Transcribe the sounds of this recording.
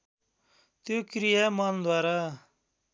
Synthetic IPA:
t̪oːkɾijamand̪waːɾaː

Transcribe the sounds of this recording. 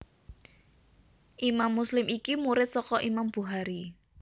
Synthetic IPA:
ʔimamːuslɪmikimuɾɪt̪̚sɔkɔʔimamb̥uɦaɾi

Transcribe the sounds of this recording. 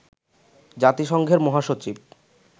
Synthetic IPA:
d͡ʑat̪iʃɔŋɡʱeɾmɔɦaʃot͡ɕib

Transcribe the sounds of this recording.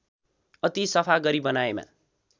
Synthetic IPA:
ʌt̪isʌpʰaɡʌɾibʌnaema̰

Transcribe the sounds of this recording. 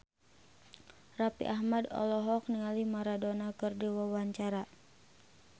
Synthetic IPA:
rapḭʔaɦmadɔ̰lɔɦɔk̚niŋalimaɾadɔnakɨrdiwawaɲt͡ʃaɾa

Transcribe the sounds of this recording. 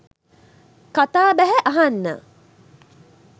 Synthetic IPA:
kat̪aːbæɦɛʔaɦanːə̰

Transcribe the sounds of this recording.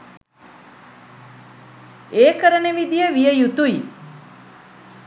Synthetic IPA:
eːkəɾəneʋid̪ijəʋijəjut̪uji

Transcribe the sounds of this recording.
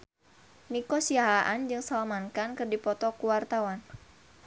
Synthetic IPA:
nikɔsiaɦaʔand͡ʒɨŋsalamankankɨrdipɔt̪ɔkuwart̪awan

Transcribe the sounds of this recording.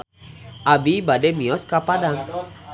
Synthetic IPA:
abibademĩɔskapadaŋ

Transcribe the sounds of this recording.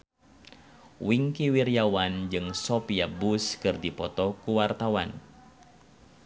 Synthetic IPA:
wiŋkiwirijawand͡ʒɨŋsɔpiabuskɨrdipɔt̪ɔkuwart̪awan

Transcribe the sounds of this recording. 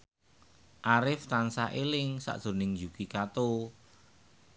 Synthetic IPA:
ʔaɾɪft̪ansaʔelɪŋsa̰ʔd̥ʒ̥o̤nɪŋd͡ʒukikat̪o

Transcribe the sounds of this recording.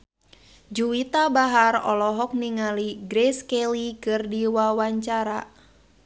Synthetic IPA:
d͡ʒuwit̪abaɦarɔ̰lɔɦɔk̚niŋaliɡɾɛskɛlikɨrdiwawaɲt͡ʃaɾa

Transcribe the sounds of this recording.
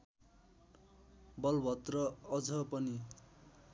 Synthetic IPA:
bʌlbʱʌt̪rʌʌd͡zʌpʌni

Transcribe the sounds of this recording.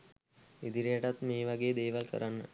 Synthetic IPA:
id̪iɾijəʈat̪meːʋaɡeːd̪eːʋalkə̰ɾanːə̰

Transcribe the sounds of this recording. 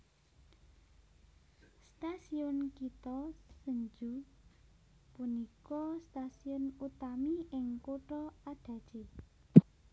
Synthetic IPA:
st̪asiʊnkit̪ɔsəɲd͡ʒu | punikɔst̪asiʊnut̪amiɪŋkoʈɾɔaɖ̪̥ä̤d̥ʒ̥e

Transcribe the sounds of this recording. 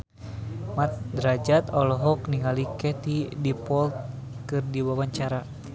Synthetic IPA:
mat̪̚d̪ɾad͡ʒat̪ɔlɔɦɔkniŋalikɛt̪idipɔlt̪̚ | kɨrdiwawaɲt͡ʃaɾa

